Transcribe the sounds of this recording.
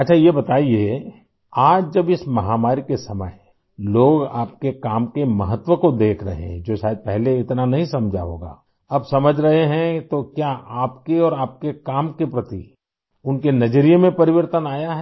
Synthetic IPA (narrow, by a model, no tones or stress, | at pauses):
ɐtːʃʰajebɐt̪aːie | aːd͡ʒd͡ʒɐbɪsmɐɦaːmaːɾikesɐmə̰j | loːɡa̰ːp̚kekaːmkemɐɦət̪wəkod̪eːkʰɾɐ̰ɦḛɦɛ̃d͡ʒoːʃaːjəd̪̚pɛɦleɪt̪nanɐɦĩsɐmd͡ʒʱa̰ɦo̰ːɡa̰ː | ɐbsɐməd͡ʒʱɾɐɦeɦɛ̃t̪okjaʔaːpkeɔːɾaːp̚kekaːmkepɾɐt̪ḭ | ʊnkenɐd͡ʒɾijmẽpɐɾɪʋəɾt̪ənaːjaɦɛ